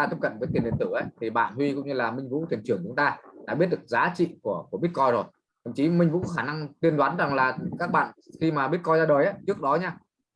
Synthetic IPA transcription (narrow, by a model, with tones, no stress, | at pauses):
a˧˩t̪i˦˥kə̰˧˨nvəː˨˦t̪i˨˩ənɗnt̪ɨ˧˩ʔə˨˦jt̪ʰi˨˩ɓa̰ː˧˨nhwi˧kʊ̰˧˥wŋ͡mɲɨ˧laː˨˩mï˧ŋ̟vṵ˧˥˩t̪ʰi˨˩ənt͡ɕɨ˧˩əŋt͡ɕʊ˨˦ŋ͡mt̪aː˧ɗa̰ː˧˥ɓi˦˥ət̚ɗɨ˨˩ə˩k̚zaː˨˦t͡ɕḭ˧˨ku˧˩əku˧˩ɓət̚kɔ˧jzo˨˩j | t̪ʰə̰˧˩mt͡ɕi˨˦mï˧ŋ̟vṵ˧˥kɔ˨˦xaː˧˩na˧ŋt̪i˧ənɗwaː˨˦nza˨˩ŋlaː˨˩kaː˦˥k̚ɓa̰ː˧˨nxi˧maː˨˩ɓi˦˥t̚kɔ˧jzaː˧ɗəː˨˩jʔa˨˦t͡ɕɨ˦˥ək̚ɗɔ˨˦ɲaː˧